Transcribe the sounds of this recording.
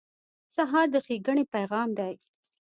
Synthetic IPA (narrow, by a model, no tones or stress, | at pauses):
saɦɑɾd̪əxeɡəɳepajɣɑmd̪aj